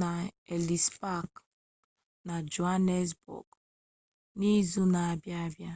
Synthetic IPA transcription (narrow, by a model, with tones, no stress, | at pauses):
na˨e˨li˨spa˦˨k | na˨d͡ʒu˨a˦ne˦s̬bɔ̰˨k | ni˦zu˦na˨a˨bja˦a˦bja˦